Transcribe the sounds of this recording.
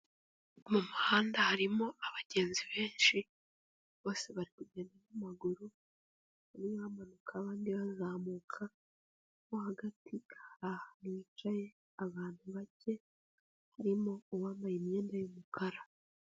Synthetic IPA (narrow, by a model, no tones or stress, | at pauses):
mumuhaːndahaɾimo̞aβaɟe̞ːnziβe̞ːnʃi | βo̞ːse̞βaɾikuɟe̞ːndanamaɡuɾu | βaniβaːmanukʰaβaːndiβazaːmuːkʰa | mohaɡatʰihaɾahaniːt͡ʃaje̞ | aβaːn̥huβace̞ | haɾimo̞owamajimɲe̞ːndajomukaɾa